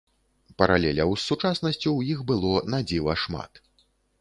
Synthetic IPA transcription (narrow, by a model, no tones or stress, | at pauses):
pɐɾalʲɛlʲɐwsːut͡ʂasnɐsʲt͡sʲuwjixbɨlˠɔnad͡zʲivɐʂma̰t̪